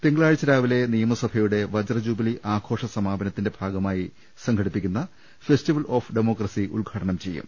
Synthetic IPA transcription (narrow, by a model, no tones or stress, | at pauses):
p̪iŋɡɭaːɻit͡ɕːɐɾaːʋile̞nijɐmɐsɐbʱɐjuɽe̞ʋɐd͡ʑɐrɐd͡ʑuːbiliʔaːkʰo̞ːʂɐsɐmaːbɐnɐt̪ːinde̞bʱaːɡɐmaːji | sɐŋkʰɐɽipːikʲːunːɐ | festiʋɐloːfɖemo̞ːkrɐsiṵlɡʱaːʈɐɳɐmt͡ɕe̞jːṵm